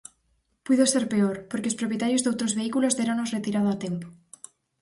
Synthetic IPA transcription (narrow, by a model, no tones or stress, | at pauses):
pwiðose̞ɾpe̞oɾpoɾkeospɾopje̞t̪aɾjozðowt̪ɾozβe̞ikulo̞zðeɾonosre̞t̪iɾað̞oat̪e̞mpo